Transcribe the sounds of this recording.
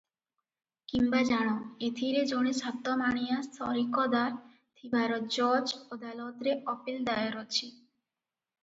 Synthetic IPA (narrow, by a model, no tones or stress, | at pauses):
kimbad͡ʑaɽ̃oet̪ʰiɾed͡ʑoɽ̃esat̪ːɔmaɽ̃ijast̪ʰɔɾikɔd̪aɾ | t̪ʰibʱaɾɔt̪̚d͡ʑɔd͡ʑod̪alot̪ɾeʔɔpild̪aeɾot͡ɕʰi